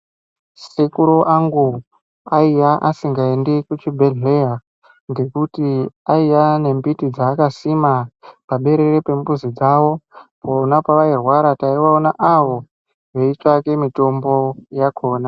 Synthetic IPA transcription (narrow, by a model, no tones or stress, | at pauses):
sekuɾoʔaŋɡu | aijaʔasiŋɡaendekut͡ʃibʱeɮeja | ŋɡe̞kutiaijane̞mbitid͡zaːkasimapaɓe̞ɾe̞ɾepe̞mbuzid͡zaʋo̞poːnapaʋairwaɾataiʋaonaʔaʋo̞ | ʋe̞it͡ʂake̞mito̞mbo̞jakʰo̞ːna